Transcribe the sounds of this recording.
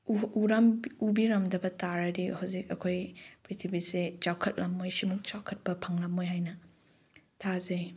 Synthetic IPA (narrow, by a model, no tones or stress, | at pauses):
uɾamubiɾɐmdɐbɐtaɾɐdihawzikɐkʰojpɾitʰibiset͡ʃawkʰɐt̚lʔɐmːojsimuk̚t͡ʃawkʰɐt̚pɐpʰaŋlɐmojɦajnɐ | tʰazej